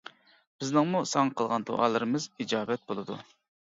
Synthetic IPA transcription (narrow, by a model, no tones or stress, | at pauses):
b̥ɪznɨŋmusɑŋɑqʰəlˠʁɑnd̪o̰ʔɑ̰ːlˠɨɾɨmɨzid͡ʒɑːbɛt̪̚bolˠɨd̪ṵ